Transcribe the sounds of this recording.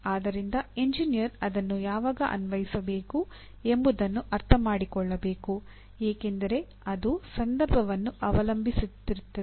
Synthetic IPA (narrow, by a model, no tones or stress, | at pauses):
aːd̪ɐɾind̪ɐeɲd͡ʒinijɐɾɐd̪ɐnːujaːʋaːɡɐʔɐ̰nʋɐjisɐbe̞ːku | e̞mbud̪ɐnːuʔɐɾt̪ʰɐmaːɽikɔɭːɐbe̞ːku | eːke̞nd̪ɐɾe̞ | ɐd̪usɐnd̪ɐɾbʱɐʋɐnːuʔɐʋɐlɐmbʱisut̪ːiɾut̪ːɐe